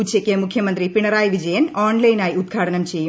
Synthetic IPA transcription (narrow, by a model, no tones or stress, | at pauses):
ut͡ʃekːemukʰjɐmɐnt̪ɾipiɳɐɾaːjʋid͡ʒɐjɐnaːɳlɐjnaːjiud̪ɡʱaːʈɐnɐmt͡ʃeju